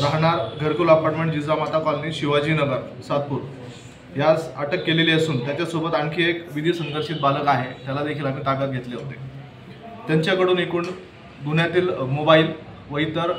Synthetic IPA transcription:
ɾaɦɳ̃aɾɡʱəɾkulapaɾʈmeɳʈ̚d͡ʑid͡zɾamat̪akɔlniːɕiʋad͡ʑiːnəɡəɾ | sat̪̚puːɾ | ɦjat͡saʈəkːeleleəsuːnt̪jat͡ɕjasobət̪aɳkʰeekʋid̪ʱiːsə̃ŋɡəɾʂiːt̪̚baləkaɦet̪jalad̪ekʰiːlakəɳʈakat̪̚ɡʱet̪leɦot̪ḛ | t̪jaɲt͡ɕjakəɽuːnekuːɳ | d̪unjat̪iːlmobaiːl | ʋəjt̪əɾ

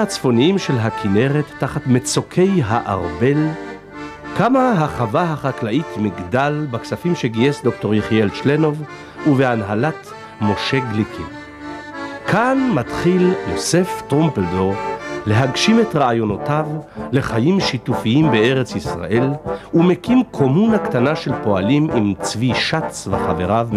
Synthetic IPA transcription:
at͡sfo̞niimʃe̞lɦakʰine̞ʁet̪ːaχatmet͡sokʰe̞jɦaʔa̰ʁbe̞l | kamaɦaχavaɦaχaklaʔitmiɡdalbaksafimʃeɡiesdo̞kto̞ʁjeχielʃleno̞v | uveanɦalat | mo̞ʃe̞ɡlikʰḭ | kʰanmatχiljose̞ftʁompeldoʁle̞ɦaɡʃimetʁaajo̞notavle̞χajimʃitufiimbe̞e̞ʁet͡sisʁa̰ʔe̞lumekimkʰo̞munhakt̪anaʃe̞lpo̞alimʔimt͡sviʃat͡sveχaveʁav

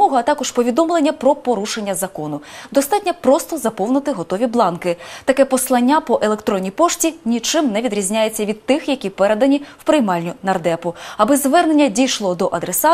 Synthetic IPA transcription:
ɔɦɐɐt̪ɑkɔʃpɔʋʲid̪ɔmlˠenʲːɐpɾɔpɔɾuʃenʲːɐzɐkɔnʊd̪ɔst̪ɑtʲnʲɐpɾɔst̪ɔzɐpɔwnɪt̪ɪɦɔt̪ɔʋʲiblˠɑnkɪt̪ɐkɛpɔslˠɐnʲːapɔʔelˠe̞kt̪ɾɔnʲːipɔʃtʲinʲit͡ʃɪmnɛʋʲid̪ɾʲizʲnʲajet͡sʲːɐʋʲid̪̚t̪ɪxjɐkʲipɛɾed̪ɐnʲiwpɾɪjmɑlʲnʲʊnɐrd̪ɛpʊɐbɪzʋɛrne̞nʲːɐdʲijʃlˠɔd̪ɔʔɐd̪ɾesɑ

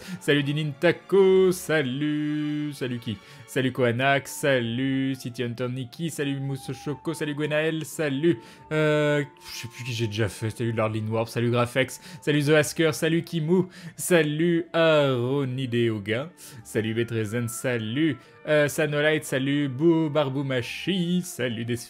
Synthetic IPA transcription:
salyd̪inint̪akosalysalykʲi | salykoanaksalysit̪jɔnt̪ɔnːikʲisalymusoʃokosalyɡwenaɛlsaly | ø | sɛplyk̬ʲiʒed̪eʒafɛsalylaʁd̪linwɔʁfsalyɡʁafɛksːalyzoaskʲœʁsalykʲimusalyaʁɔnid̪eoɡã | salybet̪ʁezɛnsaly | øsanolajt̪salybubaʁbumaʃisalyd̪e

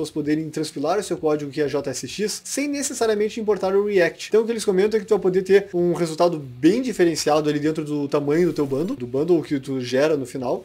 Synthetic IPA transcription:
oɐspod̪eɾẽj̃t̪ɾɐ̃spilaɾʊsewkɔd͡ʒiɡʊkɪɛʒɔt̪ɐɛsɪʃisːẽj̃nesesaɾiɐmẽnt͡ʃɪĩmpoɾt̪aɾʊiɛk̚t͡ʃɪ̥t̪ɐ̃ʊkɪelɪskõmẽnt̪ɐ̃kɪt̪uvajpod̪eɾt̪eɾũhezult̪ad̪ʊbẽj̃d͡ʒifeɾẽsiad̪ʊalid̪ẽnt̪ɾʊd̪ʊt̪amɐ̃ɲʊd̪ʊt̪ewbɐ̃nd̪ʊd̪ʊbɐ̃nd̪ʊʊkɪt̪uʒɛɾɐnʊfinaw

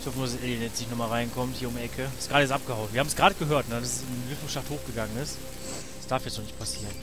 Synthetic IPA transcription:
ɪçhɔfənuːsɛlənjɛt͡snɪçtnɔχmaːlʁaɪnkʰɔmthiːɐʊmɛkʰəsɡ̥ʁaːɾəjɛt͡stʔap̚ɡ̥əhaʊnviːɐhaːmsɡ̥ʁaːɾəɡəɦøːɐtnədasɛsɪnvɪfn̩ʃafthoːxɡ̥əɡaŋənɪst | sd̥aɐfjɛt͡snɔχnɪçt̚pʰasiːʁən

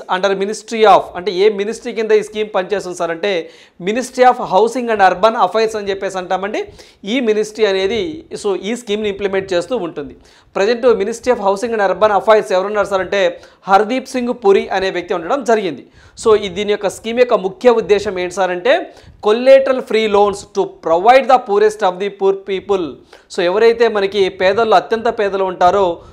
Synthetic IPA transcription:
ɐɳɖɐɾminisʈɾiaːpʰɐɳʈeːeːminisʈɾiːkind̪ɐiːskiːmpɐnt͡ʃe̞ːst̪unɐsaːɾɐɳʈe̞ː | minisʈɾiaːpʰɦɐwsiŋɡɐɳɖɐɾbɐnɐpʰɐjɾsɐnit͡ʃepːe̞ːs̬ɐɳʈaːmɐɳɖi | iːminisʈɾiɐne̞ːd̪iso̞ːʔiːskiːmnuimplime̞ɳʈ̚t͡ʃe̞ːst̪uːuɳʈund̪i | pɾɐd͡ʒɐɳʈuminisʈɾijaːpʰɦɐwsiŋɡɐɳɖɐɾbɐnɐpʰɐjɾsɛʋɐɾunːaːɾsaːɾɐɳʈe̞ː | hɐɾd̪iːpsiŋɡpuɾiʔɐne̞ːʋjɐk̚t̪iuɳɖɐɽɐmd͡ʒɐɾiɡind̪i | so̞ːid̪iːnijɔkːɐskiːmjɔkːɐmukʰjɐud̪ːɛːʃɐmeːɳʈsaːɾɐɳʈe̞ːkolːeːʈɐlpʰɾiːlo̞ːnsʈupɾɐʋɐjɖd̪ɐpuːɾesʈɐb̚d̪ipuːɾpiːpul | soːɛʋɐɾɐjt̪e̞ːmɐnɐkipɛːd̪ɐluɐt̪jɐnt̪ɐpɛːd̪ɐluuɳʈaːɾoː

